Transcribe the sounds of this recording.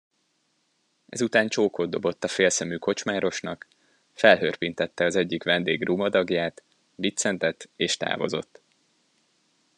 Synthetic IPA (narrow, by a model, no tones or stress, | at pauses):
ʔɛ̰zut̪aːnt͡ʃoːkod̪d̪ːo̞bo̞t̪ːɒfeːlsɛmyːko̞t͡ʃmaːɾo̞ʃnɒk | fɛlɦørpint̪ɛt̪ːɛɒzɛɟːikʋɛnd̪eːɡruːmɒd̪ɒɡjaːt̪ | bit̪sɛnt̪ɛt̪ːeːʃt̪a̰ːvo̞̰zo̞̰t̪ː